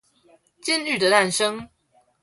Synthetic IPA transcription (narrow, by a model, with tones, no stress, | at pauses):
t͡ɕi˦ny˥˨d̪ə˨t̪a˥˨nʂɤ˦ŋ